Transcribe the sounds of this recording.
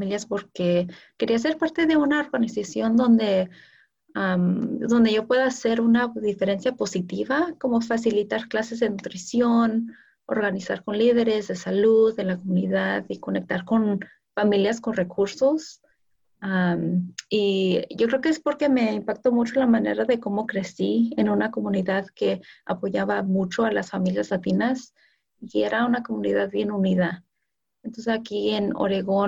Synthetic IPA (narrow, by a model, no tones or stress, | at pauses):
miljaspo̞ɾkeke̞ɾias̬e̞ɾpaɾt̪e̞ðe̞unaoɾɣanisasjo̞nd̪õ̞nd̪e̞ | amd̪o̞nd̪e̞ʝo̞pwe̞ðaːse̞ɾunaðife̞ɾe̞nsjapo̞sit̪iβako̞mofas̬ilit̪aɾklase̞zðenut̪ɾisjo̞n | o̰ɾɣanisa̰ɾko̞nlið̞e̞ɾe̞zðe̞saluðelakomũniðaðiko̞ne̞k̚t̪aɾko̞n | familjaskonrekuɾsos | amiʝokɾeokeespoɾkemeimpakt̪omut͡ʃolamaneɾaðekomokɾesienunakomuniðaðkea̰poʝaβamut͡ʃoalasfamiljazlat̪inas | ieɾʔaunakomuniðaðβjenuniða | ent̪ons̬esakieno̰ɾeɣo